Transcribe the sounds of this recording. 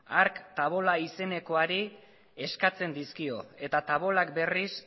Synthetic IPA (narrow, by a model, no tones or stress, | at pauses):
aɾkt̪aβ̞o̞laise̞ne̞ko̞aɾi | e̞skat͡se̞nd̪iskio̞e̞t̪at̪aβ̞o̞lak̚be̞ris